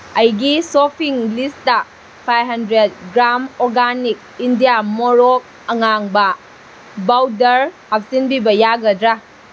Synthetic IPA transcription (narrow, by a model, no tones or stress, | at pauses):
ɐjɡisɔpʰiŋlistɐ | pʰajɦɐndɾed̚ɡɾamɔɾɡanik̚indijamɔɾɔk̚ | ɐŋaŋbɐ | bawdɐɾhap̚sinbibɐjaɡɐdɾa